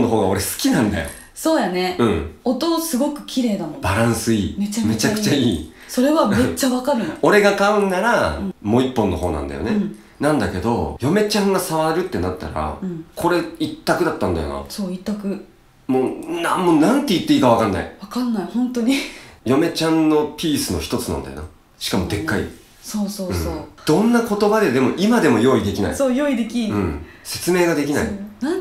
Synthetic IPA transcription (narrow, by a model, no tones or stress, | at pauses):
nːoɦo̞ːɡao̞ɾesɨ̥kʲinãnd̪a̰jo̰ | so̞ːjaneɯ̟̃ot̪o̞sɨɡo̞kɯ̟̥kʲiɾe̞ːd̪amobaɾãɰ̃sɨiːmet͡ɕame̞t͡ɕakɯ̟t͡ɕaiː | so̞ɾe̞βammet͡ɕːaβakaɾɯno̞ɾe̞ɡakaɯ̟̃nːaɾãmo̞ːipːõ̞nːo̞̰ɦo̞ːnã̰nd̪a̰jo̰ne | nãnd̪ake̞d̪o̞̰jo̞me̞t͡ɕãŋɡasaβaɾɯ̟t̪ːe̞nat̪ːa̰ɾa̰ɯ̟̃ɴkʰo̞ɾe̞it̪ːakɯ̟d̪at̪ːãnd̪a̰jo̞̰na̰soːit̪ːakɯ̟ | moːnamoːnãnt̪ːe̞it̪ːe̞iːkaβakanːa̰ḭβakãnːaihõnt̪oɲ̟ijo̞me̞t͡ɕãnːo̞pʲiːsɨno̞̰çi̥t̪o̞t͡sɨnã̰nd̪a̰jona | ɕi̥kamo̞t̪e̞kːaḭ | soːsoːɯ̃oːd̪̥õ̞nːako̞t̪o̞bad̪e̞d̪e̞mo̞ʔimad̪e̞mo̞jo̞ːid̪e̞kʲina̰ḭsoːjoːid̪e̞kʲiɾɯ̟̃ːɴ | se̞̥t͡sɨme̞ːɡad̪e̞kʲina̰ḭna